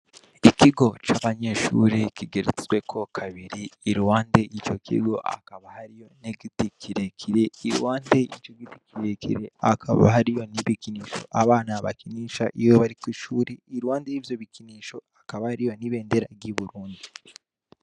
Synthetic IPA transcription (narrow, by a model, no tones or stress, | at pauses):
ikiɡo̞t͡ʃaβaɲe̞ʃṵːɾikiɡeɾet͡sewekʰo̞kʰaβiɾiːɾuwaːnde̞ʔit͡ʃo̞kʰḭɡo̞̰ʔa̰kaβahaɾijo̞neɡitikʰiɾekʰiɾe̞iɾwaːnde̞it͡ʃo̞ɡiti̥kiɾekḭɾe̞akʰaβa̰ɦaɾijo̞niβikiniːʃo̞̰ʔaβaːnaβa̰kiniːʃaʔijoβaɾikwiʃuːɾiːɾuwaːndejiːvjo̞βikiniːʃo̞akaβahaɾijo̞niβe̞ːndeɾaɟiβuɾuːndi